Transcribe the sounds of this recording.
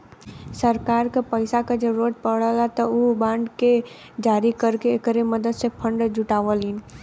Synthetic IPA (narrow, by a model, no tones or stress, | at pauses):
səɾkaːɾkepəɪsakad͡ʒəɾuɾəʈ̪̚pəɽəlat̪ɔubãːɳɖke | d͡ʒaːɾikəɾkeːkəɾeməd̪əd̪sepʰə̃ɳɖd͡ʒʊʈaːʋəliːn